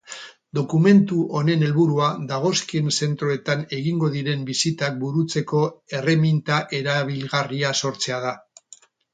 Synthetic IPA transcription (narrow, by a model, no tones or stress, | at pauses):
d̪o̞kume̞nt̪uʔo̞ne̞ne̞lβuɾuad̪aɣ̞o̞skiense̞nt̪ɾoe̞t̪ane̞ɣiŋɡo̞ðiɾe̞mbisit̪ak̚buɾut͡se̞ko̞e̞re̞mint̪aʔe̞ɾaβ̞ilɣariaso̞ɾt͡se̞að̞a